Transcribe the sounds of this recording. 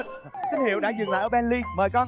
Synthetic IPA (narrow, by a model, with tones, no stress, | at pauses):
t̪ʰi˦˥k̚hḭ˧˩əwɗa̰ː˧˥zɨ˨˩ŋla̰ː˧˨ʔəː˧˩ɓɛ˧nli˧məː˨˩jkɔ˧